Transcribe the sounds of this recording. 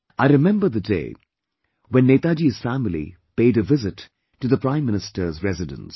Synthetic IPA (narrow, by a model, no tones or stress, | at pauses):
ʔaɪɾɨmɛ̃mbə˞ðɨdḛɪ | wɛ̃nːeɪt̪ad͡ʒiz̥fæmlḭ | peɪɾɨvɪzɨtː | ɨðəpɹ̥ãɪ̃mːɪ̃nɨstə˞zɹɛzɨdə̰̃ns